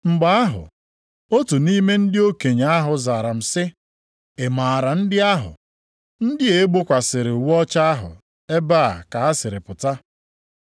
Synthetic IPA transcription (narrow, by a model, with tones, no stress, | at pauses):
ŋ͡m̩˨ɡ͡ba˦a˦ɦʊ̰˨ | o˦tu˨ni˦me˦n̩˦dɪ˦o˦ke˨ɲ˨a˦ɦʊ˨zaː˨ɾa˨m̩˨sɪ˦ | e˨maː˨ɾa˨n̩˦dɪ˦a˦ɦʊ̰˨ | n̩˦dɪ˦e˦ɡ͡bo˦kʷa˨sɪ˨ɾɪ˨o˨wu˦ɔ˦t͡ʃa˦a˦ɦʊ̰˨ | e˦baː˦˨ka˨ɦa˦sɪ˨ɾɪ˨pʊ˨ta˦